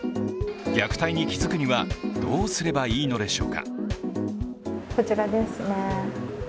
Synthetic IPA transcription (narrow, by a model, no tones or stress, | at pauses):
ɡʲakɯ̟̥t̪aiɲ̟ikʲizɨkɯ̟ɲ̟iβad̪̥o̞ːsɨɾe̞baiːno̞d̪e̞ɕo̞̰ːka̰ | so̞t͡ɕiɾad̪e̞sɨne